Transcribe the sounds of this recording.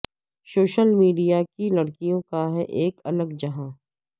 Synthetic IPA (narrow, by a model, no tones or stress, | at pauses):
soːʃəlmiːɖijakilɐɽkijõkaɦɛʔeːkɐləɡd͡ʒɐɦãː